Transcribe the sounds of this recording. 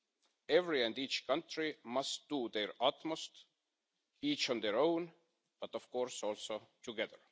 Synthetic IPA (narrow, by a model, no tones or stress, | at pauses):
evɹiæ̃nd̪iːt͡ʃkʰʌ̃nt̪ɹimʌst̪̚d̪̥ud̪eɹɑt̪most̪ | iːt͡ʃə̃nd̪eɹõwn | b̥ʌt̪ov̥koːɹsolsot̪ʰuɡɛðəɹ